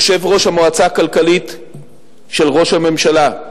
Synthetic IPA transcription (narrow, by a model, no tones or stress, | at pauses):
ʃe̞vʁo̞ʃhamoat͡sakalkalit | ʃe̞lʁo̞ʃhame̞mʃala